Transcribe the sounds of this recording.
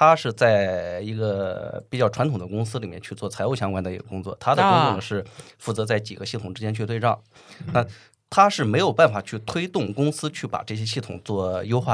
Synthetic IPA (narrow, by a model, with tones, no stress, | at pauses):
t̪ʰa˥ʂɻ̩˥˧t͡sa˥˩ɪi˧˥ɡə˧pi˨˩t͡ɕjʊʈ͡ʂʰwa˧˥nt̪ʰʊ˨˩d̪ə˦kʊ˥ŋsɹ̩˥li˨˩mjɛ̰˥nt͡ɕʰy˥˧t͡swɔ˥˩t͡sʰa˧˥o˥˧ʊɕjɑ˥ŋkwa˥nd̪ə˩i˧˥ɡə˧kʊ˥ŋt͡swɔ̰˥˩t̪ʰa˥d̪ə˨kʊ˥ŋt̪ʊ˥˩ŋ˩ʂɻ̩˥˧fu˥˩t͡sɤ˧˥t͡sa˥˩ɪt͡ɕi˨˩ɡə˦ɕi˥˩t̪ʰʊ˨˩ŋʈ͡ʂɻ̩˥t͡ɕjɛ˥nt͡ɕʰy˥˧t̪we˥˧ɪʈ͡ʂɑ˥˩ŋ | na˥˧ | t̪ʰa˥ʂɻ̩˥˩me˧˥ɪjo˨˩ʊpa˥˩nfa˨˩t͡ɕʰy˥˩t̪ʰwe˥ɪt̪ʊ˥˩ŋkʊ˥ŋsɹ̩˥t͡ɕʰy˥˩pa̰˨˩ʈ͡ʂɤ˥˩ɕjɛ˥ɕi˥˩t̪ʰʊ̰˨˩ŋt͡swɔ˥˩jo˥ʊxwa˥˩